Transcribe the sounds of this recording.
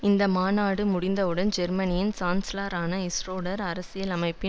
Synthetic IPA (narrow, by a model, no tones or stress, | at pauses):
ɪnd̪ɐmaːnaːɽɯmʊɽɪnd̪ɐʋɯɽɐnd͡ʒɛɾmɐnɪjɪnt͡ʃaːnslaːɾaːnɐɪsroːɽɐɾɐɾɐsɪjɐlɐmɐɪpːɪ